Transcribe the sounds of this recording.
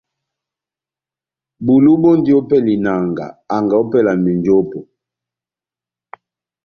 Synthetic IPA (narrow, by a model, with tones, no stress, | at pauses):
bu˨lu˦bo˦ndi˨˦o˦pɛ˦li˨na˨ŋɡa̰˨a˨ŋɡa˨o˦pɛ˦˨la˨mi˨nd͡ʒo˦pɔ˨